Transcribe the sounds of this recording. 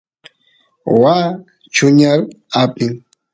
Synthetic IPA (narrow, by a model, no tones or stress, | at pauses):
waː | t͡ʃʊɲal | apɪŋ